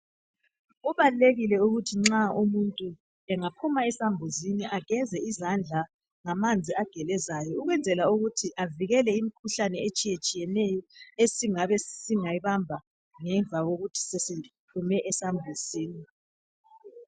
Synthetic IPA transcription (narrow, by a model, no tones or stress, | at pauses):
uβaluleɣilɛuɣutʰiŋ͡ǁaumuntʼu | ɛŋapʰumaɛsambʱuziniʔaɡ̥ʱɛzɛizand͡ɮʱa | ŋamand͡zʱiaɡ̥ʱɛlɛzajɔuɣwɛnd͡zʱɛlauɣutʰiʔaviɣɛlɛimikʰuɬanɛet͡ʃʼijet͡ʃʼijɛnɛjɔesiŋaβɛsiŋaiβambʱa | ŋɛɱvʱaɣoɣutʰi̥sesitʰumɛʔɛsambʱuziːni